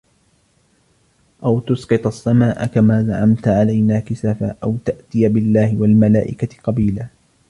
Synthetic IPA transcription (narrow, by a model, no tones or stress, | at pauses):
ʔawt̪ʊsqɨt̪ˤɑsːamaːʔa̰kamaːzaʕamt̪ʕalajnaːkɪsaːfaːʔawt̪aʔt̪ɪjabɪlːaːhɪwalmalaːʔɪkaqɑbiːlaː